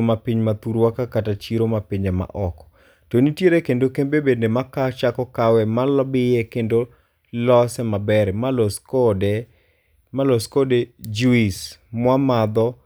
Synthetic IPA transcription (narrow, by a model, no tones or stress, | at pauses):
mapiɲmat̪uɾwakakatat͡ʃiɾomapiɲɛma̰ʔɔkɔ̥ | tonitjeɾekendokembebendemakat͡ʃakɔkawɛmalɔbɪjɛkendo | lɔsɛmabɛɾɛmaloskodɛ | malɔskoded͡ʒuismwamad̪ɔ